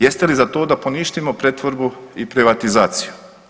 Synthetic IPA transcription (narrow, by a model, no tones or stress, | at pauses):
jest̪elizat̪o̞ːd̪apo̞niʃt̪imo̞pɾet̪ʋoɾbuipɾiʋat̪izaːt̪siju